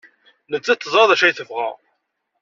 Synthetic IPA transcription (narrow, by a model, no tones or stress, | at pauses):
nət͡sːæt̪ːəzˤɑðˤæʃæjθəfʁæ̰